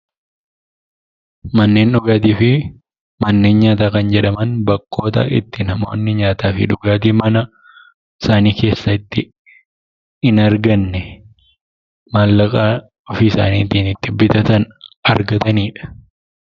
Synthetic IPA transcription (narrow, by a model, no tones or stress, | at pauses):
mɐnːe̞ːnᶑʊɡaːt̪̬iːfɪ | mɐnːe̞ːnɲaːt̪aːkɐnd͡ʒɛᶑɐmɐnbɐkːo̞ːt̪ɐ̰ɪ̰t̪ːɪnɐmo̞̰ːnːɪɲaːt̪aːfɪ̰ᶑʊɡaːt̪̬iːmɐnɐ | ɪsaːniːke̞ːsːɐɪt̪ːɪ | ɪnɐɾɡɐnːɛ | maːlːɐkʼaː | ɔfɪɪsa̰ːniːt̪iːnɪt̪ːɪbɪt̪ɐt̪ɐnɐɾɡɐt̪ɐniːᶑɐ̥